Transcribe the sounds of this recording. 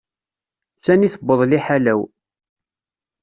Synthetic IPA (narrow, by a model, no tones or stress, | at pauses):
sæniθəbːəðˤliħalæw